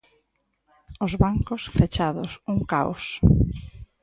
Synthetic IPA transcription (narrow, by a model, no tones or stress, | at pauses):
ʊzβaŋkʊsfet͡ʃaðʊ̰suŋkao̰s